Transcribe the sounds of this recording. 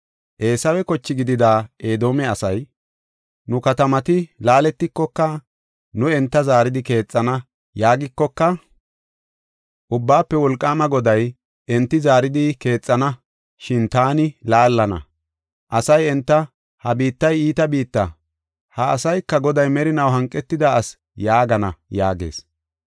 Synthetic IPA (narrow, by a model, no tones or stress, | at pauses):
ʔe̞ːsɐwɛkɔt͡ʃːɪɡɪd̪ɪd̪aːe̞ːd̪o̞ːmɛɐsɐj | nʊkɐt̪ɐmɐt̪ɪlaːlɛt̪ːɪkːɔkːɐ | nʊɛnt̪ːɐzaːɾɪd̪ɪke̞ːt͡sʼːɐnɐ | jaːɡɪkːɔkːɐ | ʔʊbːaːpːɛwɔlkʼːaːmɐɡɔd̪ɐj | ʔɛnt̪ːɪzaːɾɪd̪ɪke̞ːt͡sʼːɐnɐ | ʃɪnt̪aːnɪlaːlːɐnɐ̰ | ʔɐsɐjɛnt̪ːɐ | hɐbiːt̪ːɐjiːt̪ɐbiːt̪ːɐ | hɐːsɐjkːɐɡɔd̪ɐjmɛɾɪnɐwɦɐŋkʼːɛt̪ːɪd̪ɐɐs | jaːɡɐnɐja̰ːɡe̞̰ːs